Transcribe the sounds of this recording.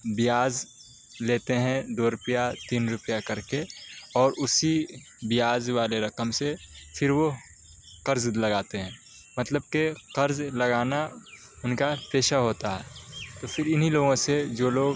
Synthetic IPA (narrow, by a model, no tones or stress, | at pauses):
bɪjaːz | leːt̪eɦɛ̃d̪oːɾʊpjat̪iːnɾʊpjakɐɾkeɔːɾʔʊsi | bɪjaːzʋaːleɾɐkəmsefʰɪɾʋo | qɐɾzlɐɡaːt̪eɦɛ̃ː | mɐt̪ləb̚keqɐɾzlɐɡaːna | ʊnkapeːʃaɦoːt̪aɦɛːt̪opʰɪɾɪnɦiloːɡõsed͡ʒoːloːɡ